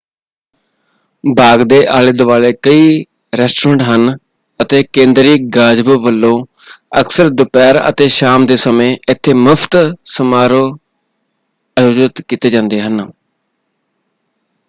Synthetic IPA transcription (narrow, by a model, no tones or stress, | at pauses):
baːɡd̪eːʔaːleːd̪ʊʋaːleːkəiː | ɾɛːsʈɾə̃ːɳʈɦən | ət̪eːkẽːnd̪ɾiːɡaːd͡ʒbʋəlːõː | əksəɾd̪ʊpɛːɾə̰t̪eːʃaːmd̪eːsəmẽːɪt̪ʰːeːməpʰt̪səmaːɾoː | əjoːd͡ʒət̪kiːt̪eːd͡ʒãːnd̪eːɦən